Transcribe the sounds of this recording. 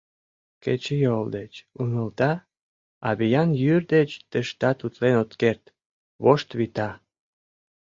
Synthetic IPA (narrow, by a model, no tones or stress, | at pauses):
ket͡ɕejold̪et͡ɕuŋəlt̪ɑ | ɑβijɑnjyrd̪et͡ɕt̪əʃt̪ɑt̪ut̪lenot̪kert̪ | βoʃt̪βit̪ɑ